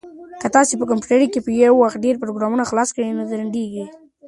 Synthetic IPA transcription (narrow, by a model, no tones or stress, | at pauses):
kat̪ɑsepək̬ampjuʈaɾikepəjawːaxt̪̚ɖeɾpəɾoɡɾɑmunaxlɑskəɽinod̪aɾaɳɖeɡi